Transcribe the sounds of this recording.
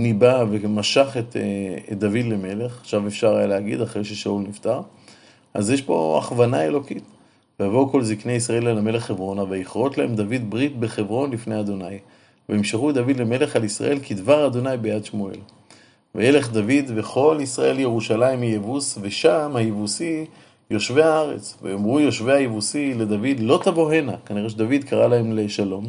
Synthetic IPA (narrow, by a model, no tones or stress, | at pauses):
nibavemaʃaχet̪ed̪avid̪leme̞le̞χaχʃavefʃaʁajaleaɡḭd̪aχʁeʃeʃaulnift̪aʁ | ʔa̰zjeʃbo̞̰a̰χvanae̞lo̞kit̪ | veavoko̞lzikneaisʁae̞lalame̞leχːevʁo̞navajiχʁo̞t̪lahe̞md̪avid̪bʁit̪be̞χevʁo̞nlifnejad̪o̞naj | veemʃeχud̪avid̪leme̞le̞χalisʁa̰ʔe̞lkʰid̪vaʁad̪o̞najbejad̪ʃmoe̞̰l | veje̞le̞χd̪avid̪ve̞χo̞lisʁaʔe̞ljeʁuʃalaimijevusve̞ʃamhajevusi | jo̞ʃveaaʁe̞̰t͡svejomʁujo̞ʃvehajivusile̞d̪avid̪lo̞t̪avo̞ɦe̞nakaniʁeʃ̬ed̪avid̪kʰaʁalahe̞mleʃalo̞m